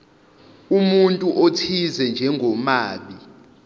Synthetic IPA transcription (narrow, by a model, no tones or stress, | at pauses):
umuntʼuʔotʰizɛnd͡ʒʱɛŋɡʱɔmaːɓi